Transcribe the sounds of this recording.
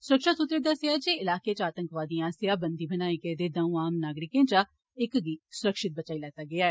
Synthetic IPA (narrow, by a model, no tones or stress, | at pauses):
sʊɾəkʃat̪ʊt̪ːɾeːd̪əseaːd͡ʒeːɪlaːkeːt͡ʃaːt̪ə̃ŋkʋaːd̪ijãːsjaːbənd̪iːbənaːikeːd̪eːd̪ãũːaːmnaːɡɾɪkẽːt͡ʃa | ɪkɡiːsʊɾəkʃɪt̪̚bət͡ʃaːiːlɛːt̪aːɡɪaːɛː